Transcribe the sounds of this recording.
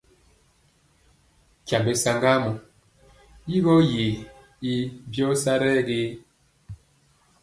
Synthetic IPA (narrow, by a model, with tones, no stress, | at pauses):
ca˨mbe˨sa˨ŋɡa˦mu˨ | ji˦ɣɔ˦je˨ | i˦bjɔ˦sa˦ɾɛ˦ɡe˦